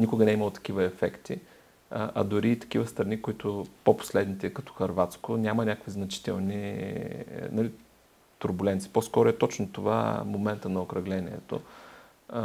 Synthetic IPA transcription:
nʲikʊɡənɛiməlˠot̪ɐ̥k̟ivəɛfɛkt̪i | ʔɐ̰d̪ʊɾiːt̪ɐ̥k̟ivəst̪ɾɐnikoit̪ʊpopo̥slɛd̪nit̪ɛkɐt̪ɔ̥xɐɾvat̪skʊnʲamənʲakəkviznɐt͡ʃi̥t̪ɛ̰lˠni | nɐli | t̪ʊɾbulɛnt̪si̥poskɔɾʊɛt̪ɔt͡ʃnot̪ova̰momɛnt̪ənɐokɾɐɡlɛniɛ̰t̪o̰

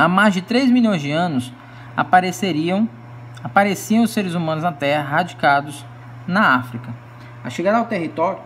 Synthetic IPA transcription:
amajzd͡ʒɪt̪ɾejzmilʲõj̃zd͡ʒɪɐ̃nʊs | a̰pɾeseɾĩ | apaɾesiɐ̃w̃ʊseɾɪzumɐ̃nʊznɐt̪ɛɦɐɦad͡ʒikad̪ʊz | nɐafɾikɐ | a̰ʃeɡaɾawt̪eɦit̪ɔɾjʊ

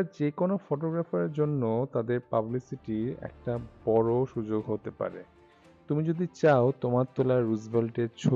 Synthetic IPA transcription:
d͡ʑekonofoʈoɡɾafeɾd͡ʑonːot̪ad̪eɾpablisiʈiɾɛ̰k̚ʈabɔɾoʃud͡ʑoɡɦot̪epa̰ɾḛ | t̪umid͡ʑod̪it͡ɕaot̪omaɾt̪olaɾuzbelʈeɾt͡ɕʰo

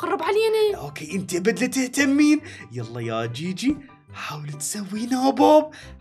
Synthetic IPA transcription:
qɑrˤːɑbʕaleːniʔoːkeːʔɪnt̪iʔabad̪lɪt̪ɪht̪amːiːnjɑlˤːɑjaʔd͡ʒiːd͡ʒi | ħaːwlt̪sawːiːnaboːb̚

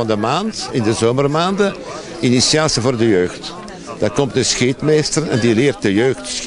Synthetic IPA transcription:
ɑndəmaːntɪndəzoːmərmaːndə | inisiaːsivoːrdəjøːxt | d̥aːrkɔmtəsxeːtmeːstərnɛ̰ndilɪːrt̚dəjøːxts

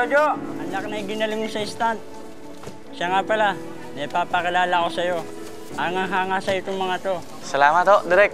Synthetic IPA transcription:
od͡ʒoɐnɐk̚nɐɪɡɪnɐlɪŋmʊsɐɪst̪ant̪̚ | ʃaŋapɐla | nɐjpapɐkɪlaːlako̞sɐjo̞ | ʔaŋaɦaːŋasɐjot̪oŋmɐŋat̪o̞ | sɐlaːmɐt̪oʔd̪ɪɾɛk̚t

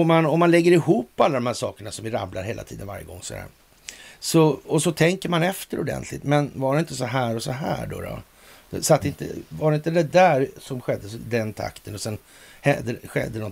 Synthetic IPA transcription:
ɔmːanɔmːanlɛɡːəɾɪhuːpːalːad̪ɔmhæːʂɑ̰ːkəɳasɔmvɪɾa̰blaɾɦeːla̰t̪iːd̪ənva̰ɾjəɡɔ̰ŋːɔsɔd̪æ̰ːɾ | sɔɔsɔt̪ʰɛŋkəɾmanɛft̪əɾʊ̰d̪ɛ̰nt̪ʰlɪ̰t̪mɛnvaɖɛɪnt̪əsɔɦæːɾɔsɔɦæ̰ːɖɔ̰ɾɔ̰ | d̪ɛsat̪ːɛɪnt̪ə̰vaɾɛɪnt̪əd̪ɛd̪æːɾsɔmɧɛd̪ːəd̪ɛnt̪ʰa̰kt̪ʰənɔsɛn | hɛd̪ːəɧɛ̰d̪ːənɔ

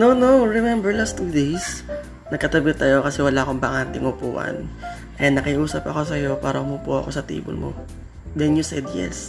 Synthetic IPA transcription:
nonowɹɛmɛmbɛɹlast̪uːd̪ejs | nɐɡ̚kːɐt̪ɐbɪt̪ɐjo̞kɐsɛwɐlaːʔko̞mbɐŋant̪ɪŋʊpṵːʔɐ̰n | kɐjanɐkɪʔuːsɐpɐko̞s̬ɐjo̞paːɾɐʔʊmuːpuʔɐ̰ko̞sɐt̪ḭːbʊ̰lmo̰ | d̪ɛnjʊsɛd̪jɛ̰s

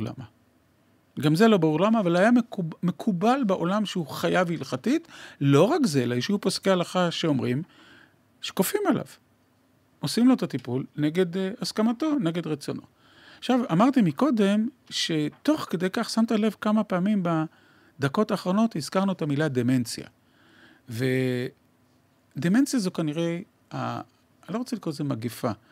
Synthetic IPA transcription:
la̰ma | ɡamzelo̞baʁuʁlamaːvalajameme̞kʰubalbeʔo̞lamʃeuχajavilχatitlo̞ʁakzelaiʃeuposkealaχaʃeo̞mʁḭm | ʃe̥kofimala̰v | ʔo̞simloet̪atipulneɡe̞d̪askamat̪o̞ne̞ɡe̞d̪ʁet͡so̞nʔo̞̰ | aχʃavamaʁt̪imiko̞d̪e̞mʃe̞t̪o̞χked̪e̞jkaχsamt̪ale̞vkamapeːmimba | d̪ako̞taːχʁo̞no̞t̪hizkaʁnuet̪amilad̪eme̞nt͡sja̰ | ve | d̪eme̞nt͡sjazokaniʁe̞j | a̰ | lo̞ʁot͡selikʁozemaɡefa

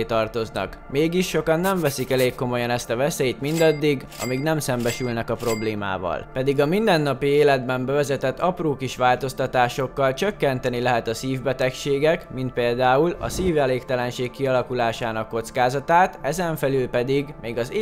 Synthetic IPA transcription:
t̪ɒrt̪o̞znɒ̰k | meːɡiʃːo̞kɒnːɛɱvɛsikɛleːkːo̞mo̞jɒnɛst̪ɒvɛseːjt̪mind̪ɒd̪ːiɡ | ɒ̰miɡnɛmsɛmbɛʃylnɛkɒpro̞bleːma̰ːvɒ̰lpɛd̪iɡɒmind̪ɛnːɒpieːlɛd̪bɛmbɛvɛzɛt̪ɛt̪ːɒproːkiʃʋaːlt̪o̞st̪ɒt̪aːʃo̞kːɒlt͡ʃøkːɛnt̪ɛnilɛɦɛt̪ɒsiːvbɛt̪ɛkʃeːɡɛkmint̪̚peːld̪aːulɒ̰siːvɛleːkt̪ɛlɛnʃeːkːiɒlɒkulaːʃaːnɒkːo̞t̪skaːzɒt̪aːt̪ɛzɛɱfɛlylpɛd̪iɡmeːɡɒz

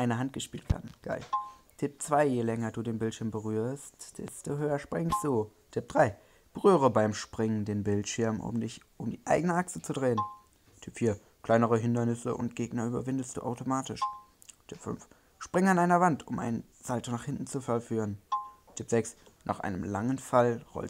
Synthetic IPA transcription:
ʔaɪnəɦant̚ɡ̥əʃpiːltv̥a̰dn̩ɡ̥a̰ɪtʰɪp̚t͡sv̥aɪjelɛŋɐduːdeːnbɪltʃɪɐmbəʁyːɐstd̥ɛ̰stoɦøːɐʃpʁ̥ɪŋsd̥uː | tʰɪp̚d̥ʁaɪ | b̥əʁyːʁəbaɪmʃpʁ̥ɪŋəndeːnbɪltʃɪɐmʔʊ̰mdɪçʔʊmdiːʔa̰ɪɡənəʔaksət͡sudʁeːən | tʰɪpfiːɐ | kʰl̥aɪnəʁəɦɪndɐnɪsə̰ʔʊ̰nt̚ɡ̥eːɡnɐʔyːbɐvɪndəst̚d̥ṵːʔaʊtomaːtɪʃ | tʰɪpfʏ̰nf | ʃpʁ̥ɪŋanʔaɪnɐvantʰʊmʔa̰ɪn | z̥altonaːχhɪntn̩t͡sufalfyːʁəntʰɪpz̥ɛksnʔa̰ːχʔa̰ɪnəmlaŋənfalʁɔ̰l

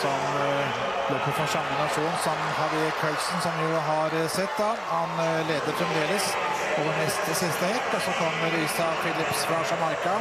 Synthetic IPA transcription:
sɔm | b̥loːpʰɔfɔsɑmənɑʂuːnsɔmhɑd̪ɪkʰœlsnsɔmj̪ʊɦɑɾsɛt̪ːd̪ɑ | hɑnleːd̪əɾfɾɛnd̪eːləs | oːʋəɳɛst̪əsɪst̪əhɛkːɔsɔkʰɔmːəɾiːsɑfɪlɪpsfɾɑɑʂɑmɑɾkɑ

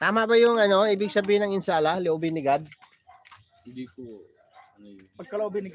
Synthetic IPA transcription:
t̪aːmɐʔbɐjʊŋɐno̞ʔiːbɪɡ̚sɐbiːhɪnɐŋɪnsaːlɐlɪʔoːbɪnɪɡad̪̚ | hɪnd̪iːko | pɐɡ̚kɐlooːbɪnɪɡ

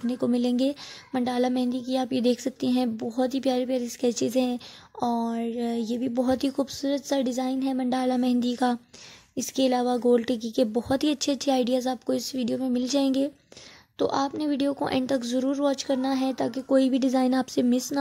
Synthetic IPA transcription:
nekomɪlẽːŋɡeːmɐ̃ɳɖaːlamɛ̃ɦnd̪ikiaːpjed̪eːkʰsɐk̚t̪iɦɛ̃bɔɦʊt̪ɦipjaːɾepjaːɾeɪskɛːt͡ʃɪzɦɛ̃ɔːɾjeːbʱibɔɦʊt̪ɦixuːbsuːɾət̪saɖɪzaːɪnɦɛmɐ̃ɳɖaːlamɛɦnd̪ikaɪskeɪlaːʋaɡoːlʈik̬ikebɔɦɔt̪ɦiɐtːʃʰeɐtːʃʰeaːɪɖijaːzaːp̚koɪsʋiːɖijomẽmɪld͡ʒaːẽːŋɡeː | t̪o̰ːʔaːpneʋiːɖijoko̰ʔɛ̰̃ːɳɖt̪ɐkzɐɾuːɾʋɔ̃ːt͡ʃkɐɾnaɦɛt̪aːkekoːibʱiɖɪzaːɪnaːpsemɪsna

